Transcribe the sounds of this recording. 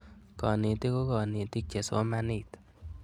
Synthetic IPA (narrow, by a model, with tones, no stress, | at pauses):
kɔ˨ni˨t̪i˦ko˦kɔ˨ni˨t̪i˦k̚t͡ʃe˨sɔ˦ma˧ni˨t̪